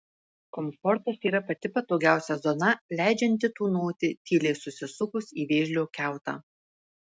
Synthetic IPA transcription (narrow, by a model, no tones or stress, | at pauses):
kɔmfɔɾt̪ɐsiːɾɐpɐt̪ʲɪpɐt̪oːɡʲæˑʊsʲɛzoːnɐlʲæˑɪd͡ʒʲɛnʲt̪ʲɪt̪uːnoːt̪ʲɪt̪ʲiːlʲɛɪsʊsʲɪsʊkʊsiːʋʲeːʒʲlʲoːkʲæˑʊt̪ɑ̰ː